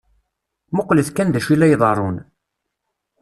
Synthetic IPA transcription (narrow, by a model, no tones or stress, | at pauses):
mʊqːləθkænðæʃilæjðˤɑrˤon